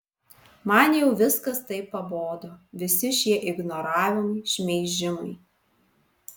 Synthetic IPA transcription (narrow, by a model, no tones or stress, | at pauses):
mɐnjɛʊʋʲɪskɐst̪ɐɪpːɐboːd̪oːʋʲɪsʲɪʃʲiɛʔɪɡnoɾɑːʋʲɪmɐɪʃʲmʲɛɪʒʲɪmɐɪ